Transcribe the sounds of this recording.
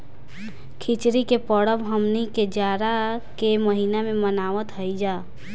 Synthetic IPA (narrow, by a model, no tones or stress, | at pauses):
kʰit͡ʃɾikepɔɽəbɦəmniked͡ʒaːɾakeməɦiːnamẽmənaːʋət̪ɦəid͡ʒaː